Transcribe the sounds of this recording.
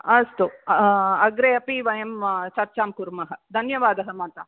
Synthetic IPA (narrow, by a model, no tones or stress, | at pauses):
ɐst̪u | ɐɡɾeːɐpiʋɐjɐmt͡ʃɐɾt͡ʃaːmkuɾmɐɦɐd̪ʱɐnjɐʋaːd̪ɐɦɐmɐːt̪ɐ